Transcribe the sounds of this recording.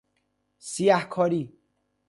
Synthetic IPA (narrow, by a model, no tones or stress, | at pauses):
sijæhkʰɒːɾiː